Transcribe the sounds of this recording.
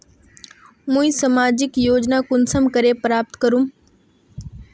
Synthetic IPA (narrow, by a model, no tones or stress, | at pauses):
mũːĩsɐmaːd͡ʑɪkjoːd͡ʑnakʊnsəmkəɾepɾaːp̚t̪kəɾum